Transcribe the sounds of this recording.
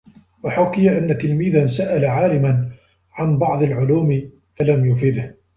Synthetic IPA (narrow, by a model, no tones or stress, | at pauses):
waħʊkɪjaʔanːat̪ɪlmiːðansaʔalaʕaːlɪman | ʕanbɑʕd̪ˤalʕʊluːmɪ | falamjʊfɪd̪h